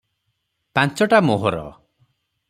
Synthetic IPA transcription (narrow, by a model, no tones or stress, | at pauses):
pãnt͡ʃɔʈamoɦɔɾɔ̰